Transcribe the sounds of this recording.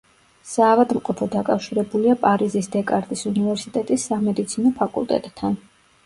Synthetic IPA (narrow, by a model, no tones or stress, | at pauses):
saːvad̪mqʼɔpʰɔd̪akʼafʃiɾɛbuliapʼaɾizisd̪ɛkʼaɾt̪ʼisunivɛɾsit̪ʼɛt̪ʼisːamɛd̪it̪sʰinɔpʰakʼṵlˠt̪ʼɛ̰t̪ʼːʰan